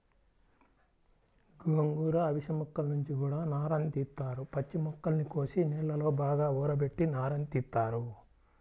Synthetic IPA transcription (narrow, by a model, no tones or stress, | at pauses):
ɡuɐŋɡuːɾɐːʋiʂɐmɔkːɐlnuɲt͡ʃiɡuːɽaːnaːɾɐnt̪it̪ːaːɾupɐt͡ʃːimɔkːɐlnikoːsiniːɭːɐlo̞ːbaːɡaːɔːɾɐbe̞ʈːinaːɾɐnt̪it̪ːaːɾu